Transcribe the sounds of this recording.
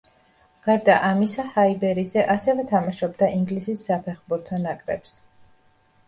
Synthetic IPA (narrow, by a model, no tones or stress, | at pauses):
ɡ̥aɾd̪aʔamisahaibɛɾizɛʔasɛvɛt̪ʰamaʃɔbd̪aʔiŋɡlisisːapʰɛχbuɾt̪ʰɔnakʼɾɛ̰ps